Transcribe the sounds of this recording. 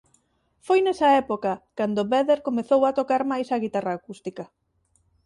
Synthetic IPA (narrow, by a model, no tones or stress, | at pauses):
fojnɛsɐɛpokɐkand̪oβɛðeɾkomeθowat̪okaɾmajsɐɣit̪araːkust̪ikɐ